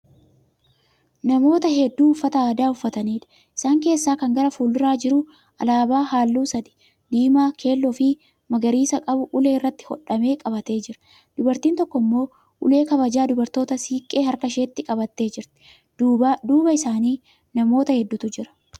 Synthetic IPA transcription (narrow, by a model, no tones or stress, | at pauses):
nɐmo̞ːt̪ɐɦɛd̪ːuːʊfːɐt̪ɐaːd̪aːʊfːɐt̪ɐniːᶑ̪ɐ̥ | ʔɪ̥saːŋke̞ːsːaːkɐŋɡɐɾɐfuːlːɪɾaːd͡ʒɪɾʊ | ʔɐlaːbaːɦaːlːuːsɐd̪ɪ̥ | d̪iːmaːkʰe̞ːlːɔfɪ | mɐɡɐɾiːsɐkʼɐbʊʔʊle̞ːɪrːɐt̪ːɪ̥hɔ̰ᶑɐme̞ːkʼɐbɐt̪e̞ːd͡ʒɪɾɐ̥ | d̪̥ʊbɐɾt̪iːnt̪ɔkːɔɪmːo̞ː | ʔʊle̞ːkɐβɐd͡ʒaːd̪ʊbɐɾt̪o̞ːt̪ɐsiːkʼːe̞ːhɐɾkɐʃe̞ːt̪ːɪkʼɐbɐt̪ːe̞ːd͡ʒɪɾt̪ɪ̥ | dːd̪uːbɐɪsaːniː | nɐmo̞ːt̪ɐhɛd̪ːʊt̪ʊd͡ʒɪɾɐ̥